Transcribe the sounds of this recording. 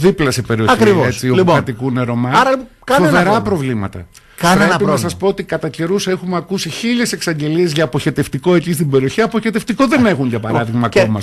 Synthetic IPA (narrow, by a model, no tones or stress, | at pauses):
ðiplɐsepe̞ɾio̞ɐçkɾivoest͡silioɐt̪ikune̞ɾo̞mɐɐɾɐpo | kɐnoveɾɐpɾo̞vlimɐt̪ɐ̰ | kɐeɐpiɐsɐspoot̪ikɐt̪ɐce̞ɾuse̞xumeɐkusiçiʎe̞se̞ksɐɲɟe̞lie̞zʝɐːpo̞çe̞t̪e̞ft̪iko̞e̞cist̪ibe̞ɾioçiɐpo̞çe̞t̪eft̪iko̞ðene̞xuɲʝɐpɐɾɐðiɣmɐːkomɐ